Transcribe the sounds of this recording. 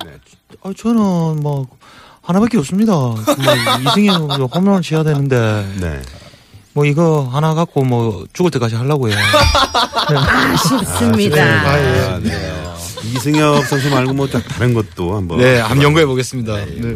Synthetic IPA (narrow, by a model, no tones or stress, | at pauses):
e | at͡ɕʌnɯnmʌ | hanabak͈eʌps͈ɯmɲidamiɯŋʌʌkomʌŋt͡ɕʰejadwe̞nɯnde̞nḛ | mwʌiɡʌɦanaɡak̚k͈omwʌt͡ɕuɡɯɭt͈e̞k͈ad͡ʑʰiɦaɭːaɡoeo | ne | smineaeane | isʰeŋjʌp̚s͈ʰʌnɕʰimaɭɡomʌt͡ɕak̚taɾenɡʌt̚t͈ohambʌnehamjʌŋɡɯɦeboɡe̞s͈ɯmɲida